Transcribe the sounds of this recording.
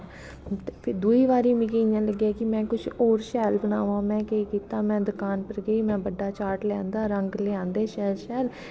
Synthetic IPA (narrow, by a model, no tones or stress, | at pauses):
t̪eːpʰɪd̪uːiːʋaːɾiːmĩːkeːɪjãːləɡːaːkɪmɛ̃ːkʊt͡ʃʰɔːɾʃɛːlbənaːʋãːmɛ̃ːkeːkiːt̪aːmɛ̃ːd̪ʊkaːnpəɾɡeiːmɛ̃ːbəɖːaːt͡ʃaːʈlɛ̃ːnd̪aːɾəŋɡleãːnd̪eːʃɛːlʃɛːl